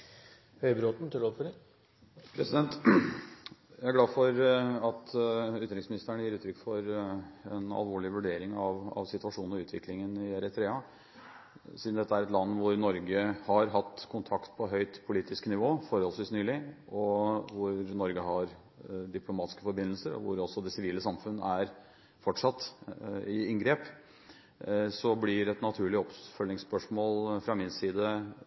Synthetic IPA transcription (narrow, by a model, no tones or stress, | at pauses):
hœʏbɾot̪n̩t̪ʰuɖoːd̪fɔɖɛ | pʰɾɛsɪd̪ɛnt̪ | jææɡlɑːfɔɾɑt̪ʉːt̪ɾɪŋsmɪnɪst̪əɳəjiːɾʉːt̪ʰɾʏkːfɔɾɛnɑ̰lʋoːɭɪʋʉɖeːɾɪŋɑʋɑ̰ʋsɪt̪ʋɑʂuːnɾɔʉːt̪ʰʋɪklɪŋənɪæɾɛt̪ʰɾeːɑ | siːd̪n̩d̪ɛt̪ːəæɾɛt̪lɑnːʋʊɾnɔɾɡəhɑɾɦɑt̪ːkʰʊnt̪ʰɑkt̪pʰɔɦœʏt̪pʰʊliːt̪ɪsknɪʋoːfɔɾhɔlsʋiːsnyːlɪɔʋʊɾnɔɾɡəɦɑɾ | d̪ɪplʊmɑːt̪ɪskəfɔɾbɪnːəlsəɾɔ̰ʋʊɾɔsɔd̪ɛsɪʋiːləsɑmfʉnːəæɾ | fɔʈʂɑt̪ː | ɪɪŋɡɾeːp | sɔblɪɾɛt̪nɑt̪ʰʉːɭɪɔpfœlːɪŋspœʂmoːlfɾɑmɪnsiːd̪ə